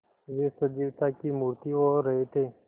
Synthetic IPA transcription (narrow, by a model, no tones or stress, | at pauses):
ʋesəd͡ʒiʋt̪akiːmuɾt̪iːʋoɾəɦet̪eː